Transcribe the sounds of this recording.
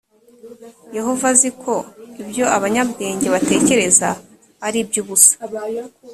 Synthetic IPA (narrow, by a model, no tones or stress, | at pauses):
je̞ɦo̞vazikʰo̞ibjo̞aβaɲabɡe̞ːɲɟe̞βate̞ːce̞ɾe̞za | aɾibjuːβusḁ